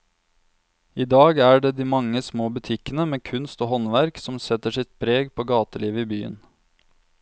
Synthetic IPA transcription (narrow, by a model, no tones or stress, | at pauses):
iːd̪ɑːɡæːɖeːd̪iːmɑŋːəsmoːbʉt̪ʰɪkənəmeːkʰʉnst̪oːɦɔnʋæɾksɔmsɛt̪ːəʂɪt̪pʰɾeːɡpʰoːɡɑːt̪əliːʋəiːbyːə̰n